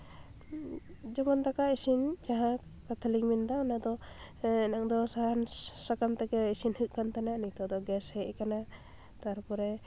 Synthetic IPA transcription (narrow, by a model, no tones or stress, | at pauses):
d͡ʒɔmɔnt̪akaisind͡ʒaɦa | kat̪ʰaliŋmind̪anad̪ɔ | ɛnaŋd̪ɔsaɦansakamt̪ɛkɛisinhɯʔkant̪ananit̪ɔd̪ɔɡɛshɛʔkana | t̪aɾpɔɾɛ